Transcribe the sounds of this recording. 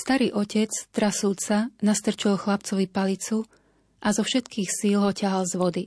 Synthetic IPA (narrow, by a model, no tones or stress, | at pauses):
st̪aɾiːʔɔcɛt͡st̪ɾasult͡sanast̪r̩t͡ʃɔlxlap̚t͡sɔʋipalit͡su | ʔazɔfʃɛt̪kiːxsiːlɦɔcaɦalzʋɔd̪i